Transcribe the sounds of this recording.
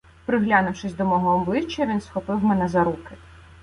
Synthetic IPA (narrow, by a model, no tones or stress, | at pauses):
pɾɪɦlʲanʊwʃɪsʲd̪ɔmɔɦɔːblˠɪt͡ʃːɐʋʲinsxɔpɪwmɛnɛzɐɾukɪ